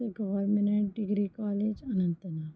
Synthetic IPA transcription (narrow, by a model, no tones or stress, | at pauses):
eɡɐʋəɾmeneʈ̚ɖɪɡɾikaːleːd͡ʒɐnɐ̃nt̪naː